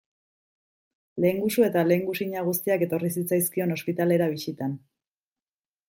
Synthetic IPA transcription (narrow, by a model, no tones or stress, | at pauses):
le̞ŋɡusue̞t̪ale̞ŋɡusiɲaɣ̞ust̪iake̞t̪o̞ris̬it͡sajskio̞no̞spit̪ale̞ɾaβisit̪an